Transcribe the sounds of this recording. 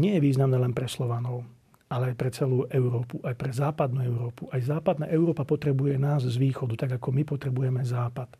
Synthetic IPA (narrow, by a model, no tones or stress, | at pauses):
ɲɪɛjɛʋiːznamnɛːlɛnpɾɛslɔʋanɔʊ | alɛajpɾɛt͡sɛluːʔɛʊɾɔːpuʔajpɾɛzaːpad̪̚nuːɛʊɾɔːpuʔajzaːpad̪na̰ːʔɛʊɾɔːpapɔt̪ɾɛbujɛnaːzzʋiːxɔd̪ut̪aɡakɔmipɔt̪ɾɛbujɛmɛzaːpat̪